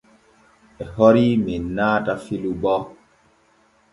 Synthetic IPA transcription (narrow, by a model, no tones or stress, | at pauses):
ɛhɔɾiminːaːtafilubɔ